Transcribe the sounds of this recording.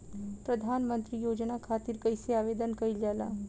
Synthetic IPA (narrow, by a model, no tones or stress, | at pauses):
pɾəd̪ʱaːnmə̃nt̪ɾijoːd͡ʒnakʰaːt̪iɾkəɪseaːʋeːd̪ənkɐild͡ʒaːla̰ː